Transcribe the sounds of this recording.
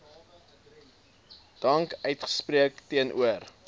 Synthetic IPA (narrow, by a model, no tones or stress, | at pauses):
d̥ɐŋkœɥtχə̥spriəktiənʔṵər